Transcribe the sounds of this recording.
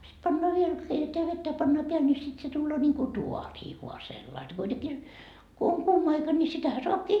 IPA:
sit pɑnːoɑ ʋiel keiteteæ ʋetːæ jɑ pɑnːɑː peæl ni sit se tulːoː nʲiːŋku tuɑriː ʋuɑ selːɑi kuiteki ko oŋ kuːmɑ ɑikɑ ni sitæhæ soɑpkiː

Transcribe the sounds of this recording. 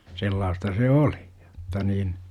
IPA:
selːɑːstɑ se oli j̊o̥tːɑ niːn

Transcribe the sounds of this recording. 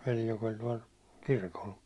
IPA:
ʋeli jok olʲ tuɒl kirkol

